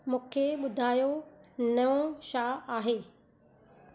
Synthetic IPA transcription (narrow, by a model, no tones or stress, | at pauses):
mũːkʰeɓʊd̪ʱaːjonɐõʃaːaːɦeː